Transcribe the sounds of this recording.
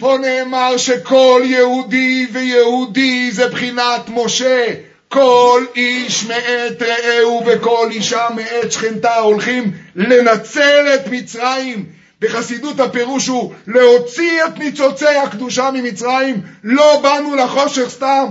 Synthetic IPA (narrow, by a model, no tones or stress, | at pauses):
po̞ne̞ːmaʁʃeko̞ljehud̪ivejehud̪izebχinat̪mo̞ʃe | ko̞liʃmeʔet̪ʁeeuve̞ko̞liʃameet̪ʃχent̪ao̞lχimle̞nat͡sele̞t̪mit͡sʁajim | be̞χasid̪ut̪hape̞ʁuʃule̞ho̞t͡siet̪nit͡so̞t͡sejhakd̪uʃamimit͡sʁajimlo̞banulaχo̞ʃe̞χst̪am